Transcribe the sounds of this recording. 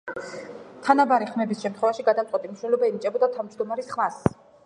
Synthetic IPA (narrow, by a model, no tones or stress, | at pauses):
t̪ʰanabaɾiχmɛbisʃɛmt̪ʰχwɛvaʃiɡad̪amtsʼwɛt̪ʼimiʃnɛlɔbainit͡ʃʼɛbɔd̪at̪ʰavd͡ʒd̪ɔmaɾisχmas